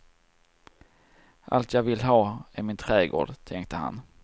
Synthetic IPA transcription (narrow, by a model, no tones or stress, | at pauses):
ʔa̰lt̪ʰjɑːɡvɪlɦɑːæɾmɪnt̪ʰɾɛːɡo̰ːɖt̪ʰɛŋk̚t̪əha̰n